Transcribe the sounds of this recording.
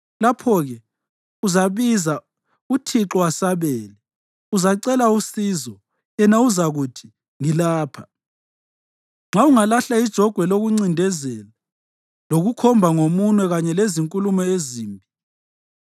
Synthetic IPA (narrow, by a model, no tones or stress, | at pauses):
lapʰɔɣɛ | uzaβiza | utʰiǁɔwasaβeːli | uzaǀɛlausizɔ | ɛnauzaɣutʰi̥ | ŋilaːpʰḁ | ŋ͡ǁʱauŋalaɬaid̥ʒ̥ʱɔɡ̥ʱwɛloɣuŋ͡ǀindʱɛzɛla | loɣukʰɔmbʱaŋomunwɛɣaɲɛleziŋkʼulumɔeziːmbʱi